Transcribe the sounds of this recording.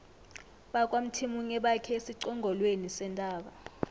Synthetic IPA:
ɓakʼwam̩tʰimuŋɛɓakʰɛesiǀɔŋɡʱɔlwenisɛntʼaːɓa

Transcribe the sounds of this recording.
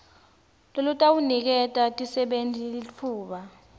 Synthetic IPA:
lolutʼawunik̬ɛtʼatʼisɛɓentʼilit͡fʰuːɓa

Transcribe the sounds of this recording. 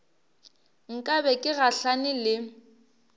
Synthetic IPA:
ŋ̩kʼabɛkʼɪɣaɬanɪlɪ

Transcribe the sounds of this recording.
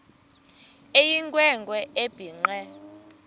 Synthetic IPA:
ejiŋkʼwɛŋɡʱʼwɛʔeb̥ʱiːŋ͡ǃɛ

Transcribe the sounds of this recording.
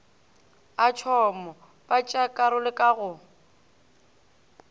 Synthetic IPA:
at͡ʃʰɔmɔ | pʼat͡ʃʼakʼaɾʊlɪkʼaɣʊ

